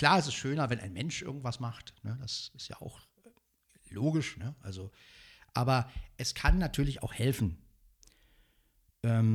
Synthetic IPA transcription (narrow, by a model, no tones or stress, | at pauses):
kl̥aːɐɛstɛstʃøːnɐvɛnʔa̰ɪnmɛnʃʔɪ̰ɐɡŋ̩tv̥asmaχtnədasɪstja̰ːa̰ʊx | loːɡɪʃnəʔa̰lzo | ʔaːbɐʔɛskʰanːatʰyːɐlɪça̰ʊxhɛlfn̩ | ʔɛːm